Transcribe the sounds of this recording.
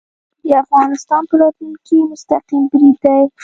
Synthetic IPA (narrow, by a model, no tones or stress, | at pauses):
d̪əafɣɑnɪst̪ɑnpəlɑt̪lunkemʊst̪aqimbɾid̪ːaj